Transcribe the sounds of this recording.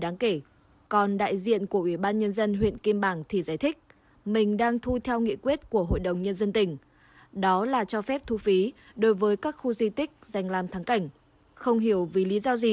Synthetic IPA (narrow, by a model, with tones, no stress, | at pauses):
ɗaː˨˦ŋke˧˩ | kɔ˨˩nɗa̰ː˧˨jzḭ˧˨ənku˧˩əʔwi˧˩ɓaː˧nɲə˧nzə˧nɦwḭ˧˨ənki˧mɓaː˧˩ŋt̪ʰi˨˩zaː˧˩jt̪ʰï˦˥k̚ | mï˨˩ŋ̟ɗaː˧ŋt̪ʰu˧t̪ʰɛ˧wŋḭ˧˨kwi˦˥ət̚ku˧˩əɦo̰˧˨jɗə˨˩wŋ͡mɲə˧nzə˧nt̪ï˧˩ŋ̟ | ɗɔ˨˦laː˨˩t͡ɕɔ˧fɛ˦˥p̚t̪ʰu˧fi˨˦ | ɗo˨˦jvəː˨˦jkaː˦˥k̚xu˧zi˧t̪ï˦˥k̚za˨˩jŋ̟laː˨˩mt̪ʰaː˨˦ŋka˧˩jŋ̟ | xə˧wŋ͡mɦi˧˩əwvi˨˦lḭ˨˦zɔ˧zi˨˩